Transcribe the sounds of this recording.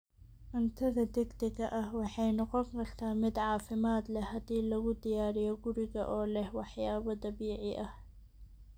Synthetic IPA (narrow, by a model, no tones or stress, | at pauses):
ʔɪnt̪ʰɐðɐd̪ɪɡd̪ɪɣɐʔɐhwɑħɑjnɔqɔŋkʰɐrt̪ʰaːmɪd̪ʕɑːfɪmaːd̪lɛhɐd̪iːlɐɣʊd̪ɪjaːɾɪjɔɡʊɾɪɣɐʔɔːlɛhwɑħjaːβɐd̪ɑβiːʕɪʔɐh